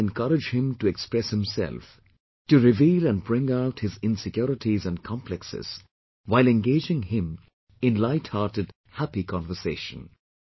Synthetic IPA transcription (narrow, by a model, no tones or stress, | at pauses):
ɛ̃nkʰʌɾɨd͡ʒhɪ̃mtuɛkspɹɛshɪ̃msɛ̰lf | tɨɹɪviːlæ̃n̚bɹɪ̃ŋaʊthɪzɪ̃nsɪkjɔɾɪtʰizæ̃nkʰɑ̃mplɛksɪ̰z̥ | waɪlɛ̃nɡeɪd͡ʒɪ̃ŋhɪ̃m | ɪ̃nlaɪthɑɾtɨd̥̚ | hæpikʰɑ̃nvə˞seɪʃə̰̃n